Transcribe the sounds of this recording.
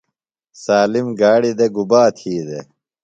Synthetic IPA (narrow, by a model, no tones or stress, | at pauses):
saːlimɡaːɽid̪eɡubaːt̪ʰiːd̪e